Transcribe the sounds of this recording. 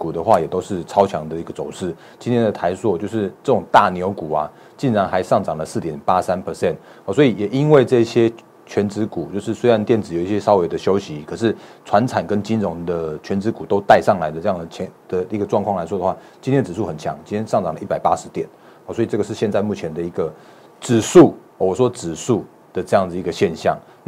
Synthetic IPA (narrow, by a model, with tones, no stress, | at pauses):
ku˨˩d̪ə˦xwa˥˩jɛ˨˩t̪o˥ʊʂɻ̩˥˩t͡sʰɑ˥ʊt͡ɕʰjɑ˧˥ŋd̪ə˨i˧ɡə˨t͡so˨˩ʊʂɻ̩˥˩ | t͡ɕi˥nt̪ʰjɛ˥nd̪ə˨˩t̪ʰa˧˥ɪswɔ˥˧t͡ɕjo˥˧ʊʂɻ̩˥˧t͡sɤ˥˩ʈ͡ʂʊ˨˩ŋt̪a˥˩˨njo˧˥ʊku˨˩a̰˨ | t͡ɕi˥˩nɻa˧˥nxa˧˥ɪʂɑ˥˩ŋʈ͡ʂɑ˨˩ŋlə˩sɹ̩˥˩t̪jɛ˨˩npa˦˥sa˦˥npʰə˧˥sɛ˥˩n | ɔ˨˩swɔ˧˥i˨˩jɛ˨˩ʔi˦nwe˥˧ɪʈ͡ʂɤ˥˧i˥˩ɕjɛ˥ | t͡ɕʰɥɛ˧˦˥nt͡sɻ̩˧˥ku˨˩t͡ɕjo˥˧ʊʂɻ̩˥˩swe˥ɪɻa˧˦nt̪jɛ˥˩nd͡zɹ̩˨˩jo˨˩˦i˥˩ɕjɛ˦ʂɑ˥ʊwe˧˥ɪd̪ə˨ɕjo˥ʊɕi˧˦kʰɤ˨˩ʂ̬ɻ̩˥˩t͡sʰwa˧˥nt͡sʰa˨˩nkə˦nt͡ɕi˦nɻo˧˦˥ŋd̪ə˨t͡ɕʰɥɛ˧˥nt͡sɻ̩˧˥ku˨˩t̪o˥˦ʊt̪a˥˧ɪʂɑ˥˩ŋla˧˦ɪd̪ə˨ʈ͡ʂɤ˥˧jɑ˥˩ŋd͡zə˨˩t͡ɕʰɛ˧˥ŋd̪̥ə˨i˧˥ɡə˨ʈ͡ʂwɑ˥˧ŋkʰwɑ˥˨la˧˥ɪwɔ˥d̪ə˨xwa˥˩t͡ɕĩ˥ntʰɛ˥nə˨t͡sɻ̩˨˩su˥˩xə˨˩nt͡ɕʰjɑ̰˧˦ŋt͡ɕi˥nt̪ʰjɛ˥nʂɑ˥˩ŋt͡sɑ˨˩ŋlə˦i˥˩pa˨˩ɪpa˦˥ʂɻ̩˧˥t̪jɛ˨˩˦n˨˩ | swɔ˥i˨˩ʈ͡ʂɤ˥˩ɡə˩ʂɻ̩˥˧ɕjɛ˧nt͡sa˥˧ɪmu˥˩t͡ɕʰjɛ˧nd̪ə˨i˧˥ɡə˨ | ʈ͡ʂɻ̩˨˩ʂu˥˩ | ɔ˨˩wɔ˨˩ʂwɔ˦ʈ͡ʂɻ̩˨˩su˥˩ | d̪̥ə˩ʈ͡ʂɤ˥˧jɑ˥˩ŋd͡zə˩i˧˥ɡə˧ɕjɛ˥˧nɕjɑ̰˥˩ŋ